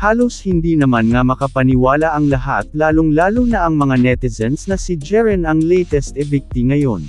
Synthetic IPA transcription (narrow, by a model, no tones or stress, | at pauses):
haːloshɪnd̪iːnɐmanŋɐmɐkɐpɐnɪwaːlaʔɐŋlɐɦa̰t̪̚laːloŋlaːlonɐʔɐŋmɐŋanɛt̪ɪsɛnsnɐsid͡ʒɛɹɛnɐŋlɛjt̪ɛst̪ɛbik̚t̪iŋɐjon